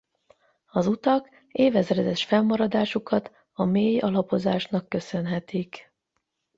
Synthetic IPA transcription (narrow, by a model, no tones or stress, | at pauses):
ɒzut̪ɒk | eːvɛzrɛd̪ɛʃfɛmmɒɾɒd̪aːʃukɒt̪ | ɒmeːjɒlɒpo̞zaːʃnɒkːø̞sø̞nɦɛt̪ik